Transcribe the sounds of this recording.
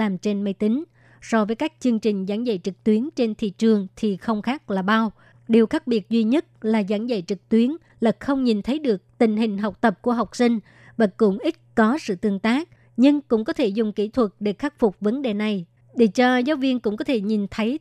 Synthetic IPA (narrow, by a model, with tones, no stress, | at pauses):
laː˨˩mt͡ɕe˧nmə˧jt̪ï˨˦ŋ̟ | sɔ˧vəː˨˦jkaː˦˥k̚t͡ɕɨ˧əŋt͡ɕï˨˩ŋ̟zaː˧˩nzə̰˧˨jt͡ɕɨ˨˩k̚t̪wi˨˦ənt͡ɕe˧nt̪ʰḭ˧˨t͡ɕɨ˨˩əŋt̪ʰi˨˩xə˧wŋ͡mxaː˦˥k̚laː˨˩ɓa˧w | ɗi˨˩əwxaː˦˥k̚ɓi˨˩ət̚zwi˧ɲə˦˥t̚laː˨˩zaː˧˩nzə̰˧˨jt͡ɕɨ˨˩k̚t̪wi˨˦ən | lə˨˩t̚xə˧wŋ͡mɲi˨˩nt̪ʰə˨˦jɗɨ˨˩ək̚t̪ï˧˨˩ŋ̟ɦï˨˩ŋ̟ɦa˨˩wk͡p̚t̪ə˨˩p̚ku˧˩əɦa˨˩wk͡p̚sï˧ŋ̟ | vaː˨˩kʊ̰˧˥ŋ͡mʔi˦˥t̚kɔ˨˦sɨ̰˧˨t̪ɨ˧əŋt̪aː˦˥k̚ | ɲɨ˧ŋkʊ̰˧˥ŋ͡mkɔ˨˦t̪ʰe˧˩zʊ˨˩ŋ͡mkḭ˧˩t̪ʰwə˨˩t̚ɗe˧˩xa˦˥k̚fʊ˨˩k͡p̚və˨˦nɗe˨˩na˨˩j | ɗe˨˩t͡ɕɔ˧zaː˨˦wvi˧ənkʊ̰˧˥ŋ͡mk̬ɔ˨˦t̪ʰe˧˩ɲi˨˩nt̪ʰə˨˦j